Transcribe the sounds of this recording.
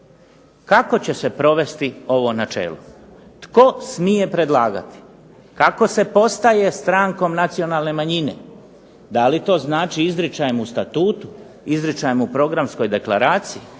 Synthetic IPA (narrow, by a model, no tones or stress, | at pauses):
kako̞t͡ɕe̞se̞pɾo̞ʋe̞st̪io̞ʋo̞nat͡ʃḛːlo̰ | t̪ko̞smije̞pɾe̞d̪lˠaːɡa̰t̪i̥ | kako̞se̞po̞st̪aje̞st̪ɾaːŋko̞mnat̪sio̞nalˠne̞maɲine̞̰ | d̪alit̪o̞ːznaːt͡ʃiizɾit͡ʃajemust̪at̪uːt̪u̥ | izɾit͡ʃajemupɾo̞ɡɾamsko̞jd̪e̞klaɾaːt̪siji